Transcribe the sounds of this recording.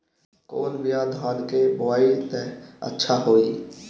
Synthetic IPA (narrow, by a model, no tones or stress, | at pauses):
ko̰ːnbijad̪ʱãːnkebʊaːit̪ɛə̰tːʃʰaɦoːiː